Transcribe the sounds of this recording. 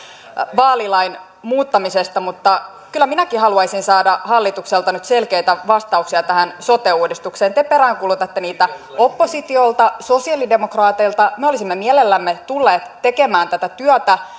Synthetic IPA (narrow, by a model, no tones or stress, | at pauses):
ʋɑːlilɑin | muːt̪ːɑmisest̪ɑmut̪ːɑ | kylːæminækihɑluɑjsinsɑːdɑhɑlːit̪ukselt̪ɑnyt̪selkeit̪æʋɑst̪ɑuksiɑt̪æhænso̞t̪euːdist̪ukseːnt̪epeɾæːŋkulut̪ɑt̪ːeniːt̪æ | o̞pːosit̪io̞lt̪ɑso̞siɑlide̞mokrɑːt̪eilt̪ɑmeo̞lisimːemiælelːæmːet̪ulːeːt̪te̞kemæːnt̪æt̪æt̪yœt̪æ